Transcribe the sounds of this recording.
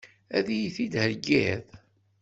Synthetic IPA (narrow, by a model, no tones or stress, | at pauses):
æðijiθid̪həɾɡæð